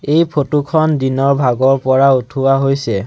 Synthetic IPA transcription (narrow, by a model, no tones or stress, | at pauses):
ejpʰotukʰɔndinɔɹbʱaɡɔɹpɔɹautʰuwaɦojsɛ